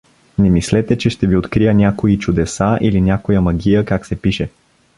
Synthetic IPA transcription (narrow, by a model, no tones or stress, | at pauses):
nɛmislɛt̪ɛt͡ʃɛʃt̪ɛviot̪kɾijənʲakoit͡ʃʊd̪ɛsaʔilinʲakojəmɐɡʲijəkaksɛpiʃɛ